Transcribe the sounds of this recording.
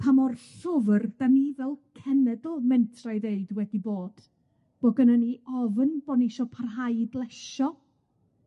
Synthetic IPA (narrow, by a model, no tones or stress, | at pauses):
pʰamɔrɬʊvərðamivɛlˠkʰɛnɛdɔlˠmɛntʰrajðeɨdwɛdiboːd̥ | b̥ɔɡənəniɔvənbɔnɪʃɔpʰarɦajdlˠɛʃɔ